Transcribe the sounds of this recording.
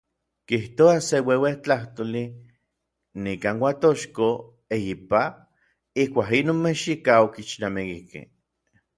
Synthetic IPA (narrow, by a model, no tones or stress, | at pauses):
kiht̪oasewewet͡ɬaht̪oli | nikaːnwat̪oʃko | ejipa | ihkʷaːkinoːnmeʃikaokit͡ʃnamikikḛ